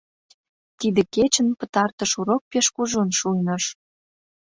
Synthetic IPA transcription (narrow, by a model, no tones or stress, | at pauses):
t̪id̪ĕket͡ɕənpə̥̆t̪ɑrt̪ə̆ʃuɾok̚peʃkuʒunʃujnəʃ